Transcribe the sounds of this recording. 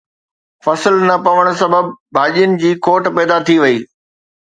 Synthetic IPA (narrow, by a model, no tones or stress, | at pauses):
fɐsɪlnɐpɐʋəɽ̃s̬ɐbəbbʱaːʄijənɪ̆d͡ʑiːkoːʈpɛːd̪at̪ʰiʋɐiː